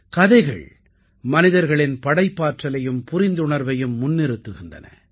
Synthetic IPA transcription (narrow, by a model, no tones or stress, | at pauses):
kɐðɐɪɣɐ̰ɭ | mɐnɪðɐɾɣɐɭɪnpɐɽɐɪpːaːʈrɐlɐjɯmpʊɾɪnd̪ʊɳɐɾʋɐjɯmːʊnːɪɾɯt̪ːɯɣɪndrɐ̰nɐ̰